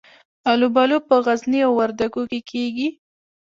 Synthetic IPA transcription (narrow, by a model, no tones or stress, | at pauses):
alubalopəɣazniawːaɾd̪aɡokekʰeɡi